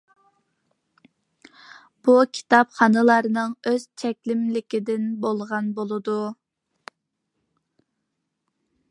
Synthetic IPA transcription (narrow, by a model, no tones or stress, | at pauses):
b̥ukʲʰi̥t̪ɑpχɑnɨlˠɑɾnɨŋøz̥t͡ʃʰɛkʲlɪmlɪkʲid̪ɪnbolˠʁɑnbolˠɨd̪u